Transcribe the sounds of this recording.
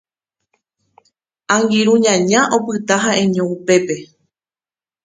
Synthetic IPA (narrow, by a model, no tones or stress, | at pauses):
ãŋɡiɾũɲãɲãʔopɨt̪aɦaʔẽɲõupe̞pe̞